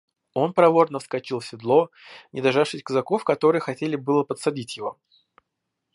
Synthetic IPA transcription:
o̞npɾɐvo̞rnəfskɐt͡ɕilˠsʲɪd̪lˠo̞ | nʲɪd̪ɐʐafʂɨsʲkəzɐko̞fkɐt̪o̞ɾɨjəxɐtʲelʲɪbɨlˠəpət̪sɐdʲitʲjɪvo̞

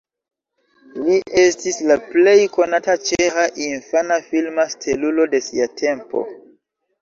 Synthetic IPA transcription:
liʔe̞stislaple̞jko̞natat͡ʃehaʔinfanafilmastʰelulo̞de̞siatʰe̞mpo̞̰

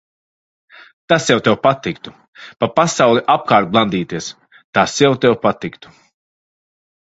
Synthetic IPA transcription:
t̪asjɛwt̪ɛwpat̪ikt̪u | papasawlˠiʔap̚kaːɾt̪̚blˠand̪iːt̪iɛs | t̪asjawt̪ɛwpat̪ikt̪u̥

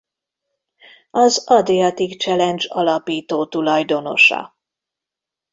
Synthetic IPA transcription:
ɒzɒd̪iɒt̪ikt͡ʃɛlɛnd͡ʒɒlɒpiːt̪oːt̪ulɒjd̪o̞no̞̰ʃɒ̰

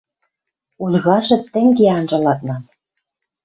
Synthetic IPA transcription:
ulʲɣɑʃɘ̆tt̪ːɘ̆ŋɡeɑnʒɤ̆lɑt̪nɑn

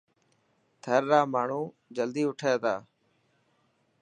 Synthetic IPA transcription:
t̪ʰəɾːaːmaːɳ̤ũː | d͡ʒəld̪iːʊʈʰeːd̪aː

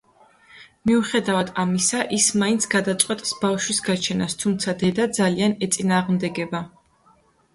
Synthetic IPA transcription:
miuχɛd̪avad̪amisaʔismaint̪sʰɡ̥ad̪at̪sʼqʼwɛt̪ʼsbafʃwisɡat͡ʃʰɛnast̪ʰumt̪sʰad̪ɛd̪ad̪zalianɛt̪sʼinaːʁmd̪ɛɡɛba

